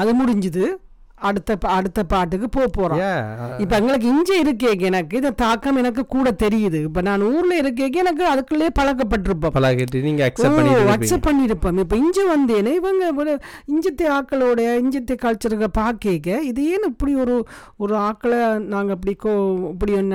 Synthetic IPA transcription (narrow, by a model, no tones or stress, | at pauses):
ɐðɯmʊɽɪɲd͡ʒɯðɯ | ɐɽɯt̪ːɐpɐɽɯt̪ːɐpaːʈ̬ːɯkːɯpoːjpoːɾãɪpːoɛŋɡɐɭɯk̬ːɯɪɲd͡ʒɐɪɾɯk̬ːeːŋɡɐɛnɐkːɯɪnɐt̪aːkːɐmɛnɐk̬ːɯkuːɽɐt̪ɛɾɪjɐðɯɪpːonaːnuːɾɪlɐɪɾɯk̬ːeːŋɡɐɛnɐk̬ːɯɐðɯkːɯɭɐjeːpɐɻɐk̬ːɐp̬ːɐʈ̬ːɯɾɯp̬ːõːmpɐlɐkɪʈːiniːŋɡɐɐksɛɐɐksɐpɐɳːɪɾɯpːɐːmɪpːoɪɲd͡ʒɐʋɐnd̪eːnɯɪʋɐŋɡɐʋɪɾɯɪɲd͡ʒɐt̪ːɐaːkːɐɭɔɽɐjɐɪɲd͡ʒɐt̪ːɛkaːɻt͡ʃːɐɾɯɣɐpaːɾkeːŋɡɐɪðɐjeːnɯɪpːɐɽiɔɾɯ | ɔɾɯaːkːɐɭnaːŋɡɐɐp̬ːɐɽɪkːoːɪpːɐɽɪɔnː